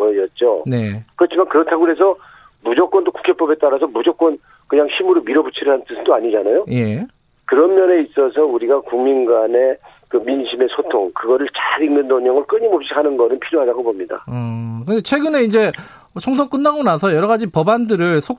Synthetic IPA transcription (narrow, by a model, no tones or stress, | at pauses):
ʌʌt̚t͡ɕ͈one̞kɯɾʌt͡ɕʰimankɯɾʌtʰaɡoɯɾes̬ʰʌ | mud͡ʑʌk͈wʌndoku̥kʰep͈ʌbe̞t͈aɾas̬ʰʌmud͡ʑʌk͈wʌn | kɯɲaŋɕʰimuɾomiɾʌbut͡ɕʰiɾɯɭɦanɯnt͈ɯsʰdoaɲid͡ʑanajoje̞ | kɯɾʌmːjʌne̞is͈ʌs̬ʰʌuɾiɡakuŋminɡane̞ | kɯminɕʰime̞sʰotʰoŋkɯɡʌɾɯɭt͡ɕaɾiŋnɯndoŋɲʌŋɯɭk͈ɯɲimʌp̚ɕ͈iɦanɯnɡʌnɯnpʰiɾjoɦadaɡobomɲida̰ʌkɯndet͡ɕʰwe̞ɡɯneind͡ʑe̞ | t͡ɕʰʌŋs̬ʰʌŋk͈ɯnːaɡonasʰʌjʌɾʌɣad͡ʑipʌbandɯɾɯɭsʰo